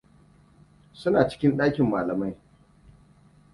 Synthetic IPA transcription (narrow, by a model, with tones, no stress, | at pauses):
sʊ˦naː˨t͡ʃɪ̥˦kʲɪ˦nɗaː˦kʲɪ˨mːaː˨lɐ˨ma˦j